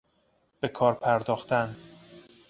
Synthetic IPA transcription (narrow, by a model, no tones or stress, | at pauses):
b̥e̞kʰɒːɾpʰæɾd̪ɒːxt̪æn